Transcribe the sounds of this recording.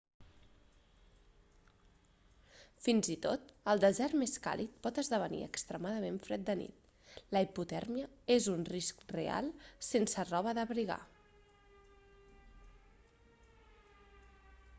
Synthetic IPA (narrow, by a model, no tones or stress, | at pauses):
finzit̪ot̪əlˠd̪əzɛɾmeska̰lʔit̪̚pɔt̪əzðəβ̞ənḭə̰kst̪ɾəmaðəmeɱfɾɛt̪̚d̪ənḭt̪̚ | ləiput̪ɛɾmiəezunriskrḛa̰lˠsensərɔβ̞əðəβɾiɣ̞a̰